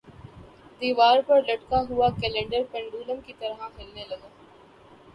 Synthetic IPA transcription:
d̪iːʋaːɾpɐɾlɐʈkaɦʊakɛlẽːɳɖəɾpɛ̃ɳɖuːləmkit̪ɐɾɦãɦɪlnelɐɡãː

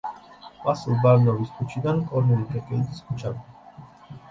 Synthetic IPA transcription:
vasilˠbaɾnɔviskʰʼut͡ʃʰid̪ankʼɔɾnɛlikʰʼɛkʼɛld̪iskʰut͡ʃʰavd̪a

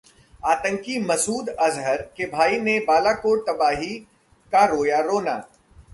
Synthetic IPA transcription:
aːt̪ə̃ŋkimɐsuːd̪ɐzɦəɾkebʱaːinebaːlakoːɾt̪ɐbaːɦi | kaɾoːjaɾoːna̰ː

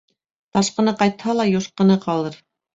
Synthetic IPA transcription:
t̪ɑʃqɤ̆nɤqɑjt̪hɑlˠɑjoʃqɤ̆nɤqɑlˠɤɾ

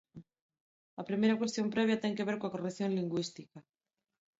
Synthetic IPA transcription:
ɐpɾimejɾakwest̪jompɾɛβ̞jat̪eŋkeβ̞eɾkoakoreθjoŋliŋɡwist̪ika

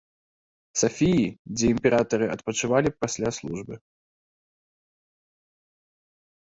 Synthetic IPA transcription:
safʲijid͡zʲɛimpʲɛɾʔat̪ɐɾɨɐt̪pɐt͡ʂɨvalʲipasʲlʲaslˠuʐbɨ

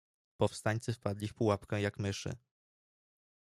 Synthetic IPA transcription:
pɔfst̪aɲt̪sɘfpad̪lʲifpuwapkɛ̃jakmɘʂɘ̰

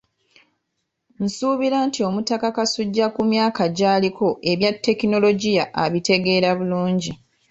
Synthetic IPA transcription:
n̩suːβiɾaːntio̞mutakakasuɟːakumjaːkaɟaːliko̞ʔe̞βjatːe̞kino̞lo̞ɟijaʔaβite̞ɡe̞ːɾaβuluːɲɟi

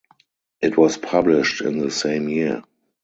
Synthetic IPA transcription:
ʔɪtʰwɔspʰablɪʃtɪ̰̃nðəsẽɪ̃mjiə

